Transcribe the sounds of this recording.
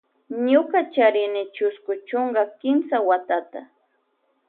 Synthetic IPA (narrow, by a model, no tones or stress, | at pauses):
ɲʊkat͡ʃaɾɪnɪt͡ʃʊskʊt͡ʃoɴɢɑkɪmsawat̪at̪a